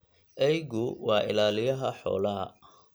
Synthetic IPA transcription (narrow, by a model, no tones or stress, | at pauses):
ʔɛjɣʊwɑːʔɪ̰laːlɪjɐɦɐħɔ̰ːlɐɦɐ̰